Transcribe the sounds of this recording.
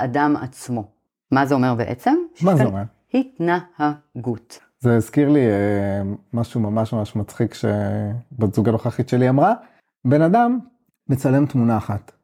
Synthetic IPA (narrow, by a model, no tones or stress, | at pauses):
ʔadama̰t͡smo̞ | mazeo̞me̞ʁbeʔet͡semmazeomeʁ | hitnahaɡut | zeazkiʁliemaʃumamaʃmamaʃmat͡sχikʃebezuɡanloχaχitʃe̞liamʁa | be̞nadamː | et͡sale̞mt̪munaːχat̪